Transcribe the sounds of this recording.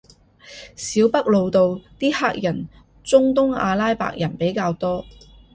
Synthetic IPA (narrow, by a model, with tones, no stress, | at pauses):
siː˨˥wpɐ˥k̚lo˨˧wt̪o˨wt̪iː˥haː˥k̚jɐ˨˩n | t͡sʊ˥ŋt̪ʊ˥ŋa̰ː˧laː˥jpa̰ː˧˨k̚jɐ˨˩npe˨˥jkaː˧wt̪ɔː˥